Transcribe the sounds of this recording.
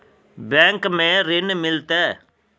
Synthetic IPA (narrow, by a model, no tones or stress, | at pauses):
bɛ̃ːŋkmẽɾɪnmɪlt̪ɛː